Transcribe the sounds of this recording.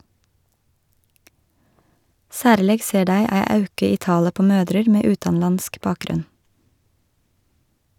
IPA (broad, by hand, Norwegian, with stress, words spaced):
ˈsæːɾleːɡ ˈseː ˈɖæɪ ˈæɪ ˈɑʉkɪ ˈiː ˈtɑːlə ˈpoː ˈmøːdɾəɾ ˈmeː ˈʉːtɑnˌlɑnsk ˈbɑːkˌɡɾʉn